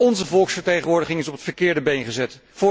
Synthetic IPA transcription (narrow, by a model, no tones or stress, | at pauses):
ɔnzəvɔlˠksfəɹtejχənʋʊːɹdəχɪŋɪsɔpətfəɹkɪːɹdəbejnχəzɛt | fʊː